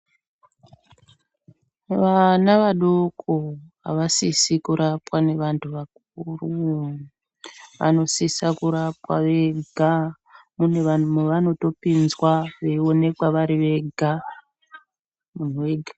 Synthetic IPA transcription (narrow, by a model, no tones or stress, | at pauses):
ʋanaʋaɗokʰo | a̰ʋasisikuɾapwane̞ʋantʰuʋak̚ | uru | ʋa̰no̞sisakuɾap̚wa̰ʋe̞ɡʱa | muneameʋano̞to̞pinzwaʋe̞o̞ne̞kwaʋaɾiʋe̞ɡʱa | mun̤uweɡʱḁ